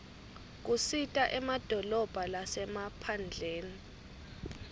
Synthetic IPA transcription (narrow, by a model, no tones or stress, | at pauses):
k̬usitʼaʔɛmad̥ʱɔlɔb̥ʱalasɛmapʰand͡ɮʱeːni